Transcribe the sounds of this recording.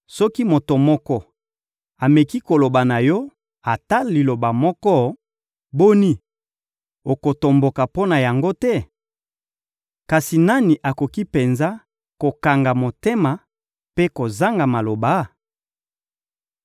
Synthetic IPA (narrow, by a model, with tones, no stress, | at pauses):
sɔ˦ki˦mo˨to˨mɔ˦kɔ˦ | a˨me˨ki˦ko˨lo˨ba˨na˨jɔ˦ | a˨ta˦li˨lo˨ba˨mɔ˦kɔ˦ | bo˦ni˦ | o˨ko˨to˨mbo˨ka˨po˦na˨ja˨ŋɡo˦tɛ˦ | ka˨si˨na˦ni˨ʔa˨ko˨ki˦pe˨nza˦ | ko˨ka˨ŋɡa˨mo˨te˦ma˨ | pe˦ko˨za˦ŋɡa˨ma˨lo˨ba˨˦